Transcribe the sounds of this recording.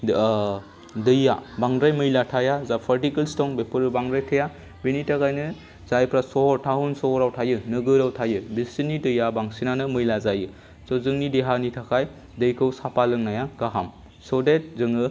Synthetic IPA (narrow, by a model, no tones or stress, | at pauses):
dɯjːabaŋdɾajmɯjlatʰajazapʰaɾtikɯlstɔŋbepʰɯɾɯbaŋdɾajtʰɯja | benitʰakajnɯ | zajpʰɾasɔhɔɾtʰaɦunsɔhɔɾawtʰajɯnɯɡɯɾawtʰajɯbisinidɯjːabaŋsinanɯmɯjlazajɯ | sɔzɯŋnideɦanitʰakʰaj | dɯjkʰɯwsapalɯŋnajaɡaɦam | sɔdet̚zɯŋɯ